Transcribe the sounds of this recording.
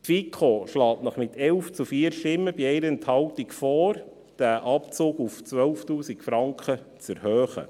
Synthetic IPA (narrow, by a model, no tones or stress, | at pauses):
tfikʰχoʃlɑːtnɔχmɪt̪ʰɛlft͡sufiːəɾʃtɪmːəbiɛɪɾəɛnthɑwtikfɔːɾ | d̥æʔɑpt͡soːɡuft͡sʋœlftuːsikfɾɑŋkχət͡səɾhøːχə̰